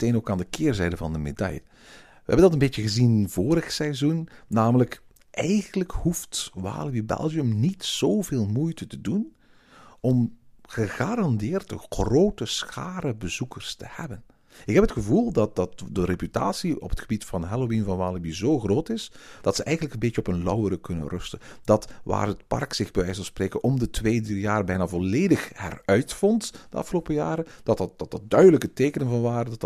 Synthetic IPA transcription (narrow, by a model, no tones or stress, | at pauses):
teːnoːkaːndəkɪːrzɛjdəvɑndəmḛdɑ̰jə | ʋəɦɛbəndɑtənbeːtəɣəzinv̥oːɾəxsɛzunːaːmələk | ʔɛjɣənləkhuftʋa̰ːlibibɛ̰lˠɣiəmnitsoːwveːlˠmujtətədun | ɔmɣəɣaːɾɑndɪːrtəxroːtəsxa̰ːɾəbəzukərstəhɛ̰bən | ɪkɦɛpɦətxəvulˠdɑt̚dɑt̚dəɾepyta̰ːsiɔ̰pɦətxəbitfɑnɦɛlowinvɑnʋaːləbizoːxroːtɪsd̥ɑtsəʔɛjɣənləkənbeːt͡ʃəɔpənlʌwəɾəkɵnə̰nrɵstəd̥ɑtʋa̰ːrət̚pɑ̰rksɪɣbəʋɛjsɑlˠspreːkənʔɔmdətʋeːdəjaːrbɛjnaːvɔleːdəxhɛ̰rœɥtfɔntd̥əɑ̰fxəloːpəjaːɾəd̥ɑtɑt̚d̥ɑtɑt̚dœɥdələkəteːkənənvɑnʋaːɾədɑt